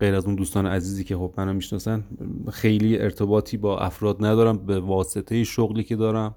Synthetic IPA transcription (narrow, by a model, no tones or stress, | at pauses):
ɢejɾæzund̪uːst̪ɒːneʔæziːziːcʰe̞xo̞bmænomiʃnɒːsænxejliːʔeɾt̪ʰe̞bɒːt̪ʰiːbɒːʔæ̰fɾɒːd̪næd̪ɒːɾæmbevɒːse̞t̪ʰe̞jeʃoɣliːcʰe̞d̪ɒːɾæm